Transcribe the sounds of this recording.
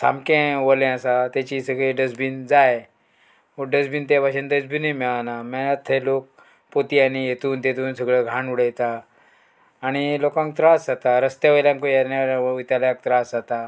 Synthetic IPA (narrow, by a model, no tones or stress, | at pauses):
sʰa̰mkẽʋəlẽasat̪jat͡ɕisəɡɭeɖəd͡zbind͡zaj | oɖəd͡zbiːnt̪epaɕend̪əd͡zbinimɛɭanamɛnət̪ʰːelok̚ | pot̪ianijet̪uːnt̪et̪uːnsəɡɭəɡʱãɳuɽəjt̪a | ɽ̃ilokãŋk̚t̪ɾasd͡zat̪aɾəst̪jaʋəljãŋkojanaut̪aljãk̚t̪ɾasd͡zat̪a